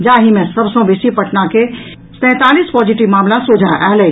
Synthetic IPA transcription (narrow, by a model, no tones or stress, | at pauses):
d͡ʒaːɦimẽsəbsə̃bɪsipəʈʰnake | sɛ̃ːt̪alispɔd͡ʒiʈiʋmaːmlasud͡ʒʱaʔaːlɛ